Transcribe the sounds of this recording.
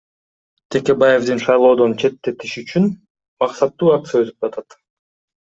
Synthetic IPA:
t̪ʰe̞ke̞baje̞vd̪inʃɑjlˠo̞ːd̪o̞nt͡ʃʰe̞t̪ːe̞t̪iʃyt͡ʃyn | mɑqsɑt̪ːuːak̚t̪sɨjaø̞zy̥p̚d͡ʒɑt̪ʰɑt̪

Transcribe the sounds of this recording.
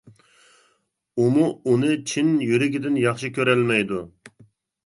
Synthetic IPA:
umuunɨt͡ʃʰinjyɾɪɡʲɪd̪ɪnjɑχʃikʲʰøɾɛlmɛjd̪u

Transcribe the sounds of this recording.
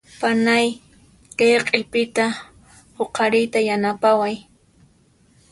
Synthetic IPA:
panaj | kejqʼɪpɪt̪a | hoqʰɑɾɪjt̪ajanapawaj

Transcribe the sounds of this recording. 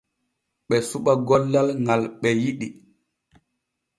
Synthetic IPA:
ɓɛsuɓaɡɔlːalŋalɓɛjiɗi

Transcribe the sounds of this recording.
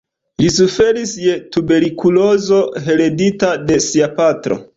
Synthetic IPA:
lisufe̞ɾisje̞tube̞ɾikulo̞zoɦe̞ɾe̞ditade̞siapatɾo̞̰

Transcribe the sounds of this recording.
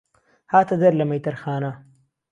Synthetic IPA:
haːt̪ɐd̪ɐɾlɐmɐjt̪ɐɾxaːna

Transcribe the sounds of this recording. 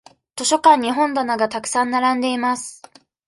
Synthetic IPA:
t̪o̞ɕo̞kãɲ̟ːiɦõ̞nd̪anaɡat̪akɯ̟̥sãnːaɾãnd̪e̞imasɨ̥

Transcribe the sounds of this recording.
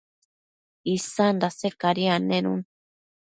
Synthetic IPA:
isand̪asekaɾianenṵn

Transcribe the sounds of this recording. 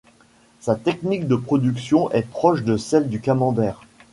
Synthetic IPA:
sat̪ɛknik̚d̪əpχɔd̪yksjɔ̃ʔɛpχɔʃd̪əsɛld̪ykamɑ̃d̪ɛːʁ

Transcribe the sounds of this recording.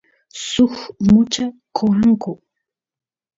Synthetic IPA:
sʊxmʊt͡ʃakʰowaŋkʊ

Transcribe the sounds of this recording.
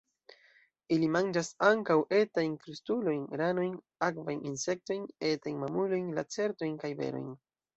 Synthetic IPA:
ilimand͡ʒasaŋkawʔe̞tajnfɾustulo̞jnɡɾano̞jn | akvajninse̞k̚to̞jne̞tajnmamulo̞jnlat͡se̞ɾto̞jnkajbḛɾo̞̰jn

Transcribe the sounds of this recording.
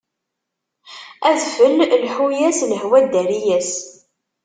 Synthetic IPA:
æðfəllħujæsləɦwæd̪æɾijæs

